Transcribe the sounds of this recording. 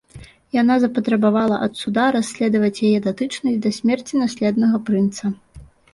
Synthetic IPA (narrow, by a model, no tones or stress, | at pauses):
jan̪azɐpɐt̪ɾɐbavalˠɐʔɐt̪sud̪aɾasʲːlʲɛd̪ɐvɐt͡sʲjajɛd̪at̪ɨt͡ʂnɐzʲd̪ɐsʲmʲɛrt͡sʲinasʲlʲɛd̪nɐɣɐpɾɨnt̪sɐ